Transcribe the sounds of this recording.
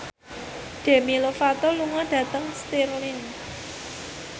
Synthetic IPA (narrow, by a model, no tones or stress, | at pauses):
ɖ̥e̤milofat̪ɔluŋɔɖ̥ä̤t̪əŋst̪iɾlin